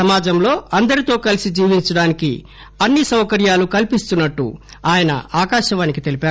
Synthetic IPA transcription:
sɐmaːd͡ʒɐmlo̞ːɐnd̪ɐɾit̪o̞ːkɐlisid͡ʒiːʋiɲt͡ʃɐɽaːnikḭ | ɐnːisɐwkɐɾjaːlukɐlpist̪unːɐʈːṵ | aːjɐnɐ̰aːkaːʃɐʋaːnikit̪e̞lipaːɾ

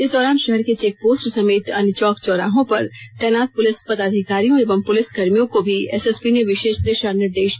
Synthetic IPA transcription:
ɪsd̪ɔːɾaːnʃɛɦɛɾket͡ʃeːk̚poːsʈsɐmeːt̪ɐnt͡ʃɔːkt͡ʃɔːɾa̰ːɦõpɐɾt̪ɛːnaːt̪̚pʊlɪspɐd̪aːd̪ʱɪkaːɾijõeːʋəmpʊlɪsɡɐɾmijõkobʱiɛ̰ːsɛspineʋɪʃeːʃd̪ɪʃanɪɾd̪eːʃ

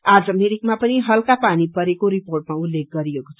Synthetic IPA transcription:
ad͡zʌmeɾik̚mapʌniɦʌlkapanipʌɾekoɾiporʈ̚maulːek̚ɡʌɾieko̥t͡sʰʌ̥

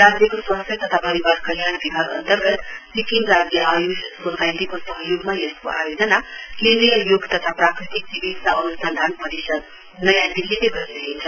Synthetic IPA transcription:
ɾad͡zjʌkoswʌ̃st̪ʰjʌt̪ʌt̪ʰapʌɾibaɾkʌljanbibʱaɡʌ̰nt̪əɾɡʌt̪sikinɾad͡zjʌʔajussosajt̪ikosʌɦjoɡmajesko̰ʔa̰jod͡zʌnalenijjoɡt̪ʌt̪ʰapɾakɾit̪ik̚sibit̪saʌnusə̃nd̪ʱanpʌɾisʌd̪ | nʌjãd̪ilːiteɡʱʌɾneɦeint͡sʰʌ

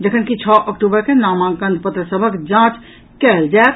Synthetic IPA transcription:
d͡ʒəkʰənkit͡ʃʰɔːʔəkʈubəɾkenaːmãːŋkə̃nd̪pət̪ɾəsəbʱəkd͡ʒãːt͡ʃ | kɛːld͡ʒaet̪

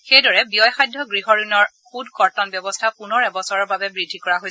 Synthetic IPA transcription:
xejdɔɹɛbijɔjxajdʱːɔɡɹiɦɔɹinɔɹ | xudkɔɹtɔnbjɔbɔstʰapunɔɹɛbɔsɔɹɔɹbabɛbɹidʱːikɔɹaɦojsɛ

